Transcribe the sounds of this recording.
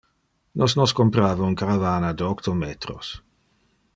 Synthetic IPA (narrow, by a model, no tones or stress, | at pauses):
nʔɔsnɔskompɾaːvaunkaɾavaːnad̪əɔkt̪omeːt̪ɾos